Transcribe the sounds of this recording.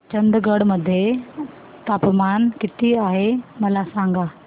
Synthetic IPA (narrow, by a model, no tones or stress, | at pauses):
t͡ɕɐ̃nd̪ɡəɽmɐd̪ʱje | t̪aːpmaːnkɪt̪iaːɦemɐlasãːŋɡaː